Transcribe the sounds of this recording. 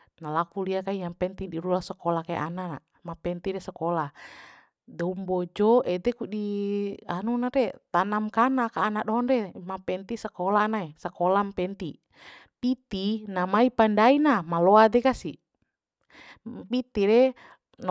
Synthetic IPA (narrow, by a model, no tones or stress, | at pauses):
nalakuliakaijampɛnt̪idiɾulasakɔlakaj̰ʔa̰nana̰ | mapɛnt̪iɾɛsakɔla | dɔumbɔd͡ʒɔɛd̪ɛkudianunaɾɛt̪anamkanakaːnaɗɔɦɔnrɛmapɛnt̪isakɔlaːnaesakɔlampɛnt̪i | pit̪inamaipandainamalɔad̪ɛkasi | pit̪iɾɛ | n